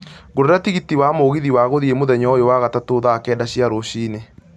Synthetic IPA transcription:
ɡoɾeɾatiɣitiwamoɣiðiwaɣoðiemoðɛɲɔjowaɣatatoːðaːkɛːdaɕjaɾoɕiːne

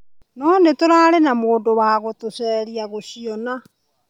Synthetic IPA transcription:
nɔːnetoɾaːɾenamoːndowaːɣotosɛːɾiaɣoʃiɔna

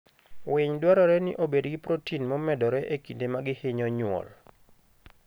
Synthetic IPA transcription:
wɪɲdwaɾɔɾɛnɪ̰ʔobedɡɪpɾotinmɔmɛdɔɾɛʔekindemaɡɪhɪɲɔɲwɔ̰l

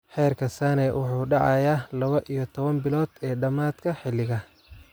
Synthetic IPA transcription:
ħɛːrkʰɐsaːnɛwʊħuːɖɑʕɑ̰jaːlɐβɐʔijɔt̪ʰɔβɐnbɪlɔːd̪̥ɛːɖɐmaːd̪̥kʰɐħɪlɪɣɐ

